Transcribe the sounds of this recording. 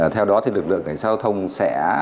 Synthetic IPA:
t̪ʰɛ˧wɗɔ˨˦t̪ʰi˨˩lɨ˨˩k̚lɨ̰˧˨əŋka˨˩ŋsaː˧˩t̪ʰə˧wŋ͡msɛ̰˧˥

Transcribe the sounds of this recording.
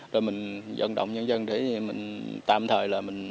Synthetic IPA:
zo˨˩jmï˨˩ŋ̟zə̰˧˥nɗə̰˧˨wŋ͡mɲə˧nzə˧nɗe˧˦mï˨˩ŋ̟t̪a̰ː˧˨mt̪ʰəː˨˩jlaː˨˩mï˨˩ŋ̟

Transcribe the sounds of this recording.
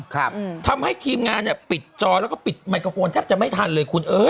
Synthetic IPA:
kʰa˦˥t̪ʰa˧mha˥˩jt̪ʰiː˧mŋaː˧nːi˧˩pi˨˩t̪̚t͡ɕɔː˧lɛː˦˥wkɔː˥˩pi˨˩t̪̚ma˧jkoː˧foː˧nt̪ʰɛː˥˩p̚t͡ɕa˨˩ma˥˩jt̪ʰaː˧nlɤː˧jkʰu˧nʔɤː˧˥j

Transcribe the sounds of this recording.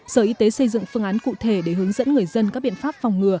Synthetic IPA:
səː˧˩ʔi˨˧t̪e˨˦sə˧jzɨ̰˧˨ŋfɨ˧əŋʔaː˨˦nkṵ˧˨t̪ʰe˧˩ɗe˧˩ɦɨ˨˦əŋzə̰˧˥nŋɨ˨˩əjzə˧nka˦˥k̚ɓḭ˧˨ə˨nfaː˦˥p̚fa˨˩wŋ͡mŋɨ˨˩ə

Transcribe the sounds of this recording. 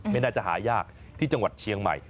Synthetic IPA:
ma˥˩jnaː˧˩t͡ɕa˨˩ɦa̰ː˩˦jaː˥˩k̚ | t̪ʰiː˥˩t͡ɕa˧ŋwa˨˩t̪̚t͡ɕʰi˧əŋma̰˨˩j

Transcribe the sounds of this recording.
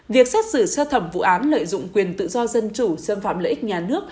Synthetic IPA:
vi˨˩ək̚sa˦˥t̚sɨ˧˩səː˧t̪ʰə˧˩mvṵ˧˨ʔaː˨˦nlə̰ː˧˨jzʊ̰˧˨ŋ͡mkwi˨˩ənt̪ɨ̰˧˨zɔ˧zə˧nt͡ɕu˧˩səː˧mfa̰ː˧˨mləː˧˨ʔk̚ɲaː˨˩nɨ˦˥ək̚

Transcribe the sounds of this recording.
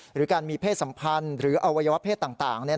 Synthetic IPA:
ɾɯː˩˦˥kaː˧nmiː˧pʰeː˥˩t̪̚sa˩˦mpʰa˧nɾɯː˩˦ʔa˧wa˧ja˧wa˦˥pʰeː˥˩t̪ːaː˨˩ŋt̪aː˨˩ŋni˥˩ɐ

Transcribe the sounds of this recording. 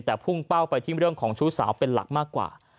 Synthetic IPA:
t̪ɛː˨˩pʰu˥˩ŋka˥˩wpa˧jt̪ʰiː˥˩ɾɯ˥˩əŋkʰɔː˩˦ŋt͡ɕʰu˦˥sa̰ː˩˦wpe˧nla̰˨˩k̚maː˥˩kːwa̰ː˨˩

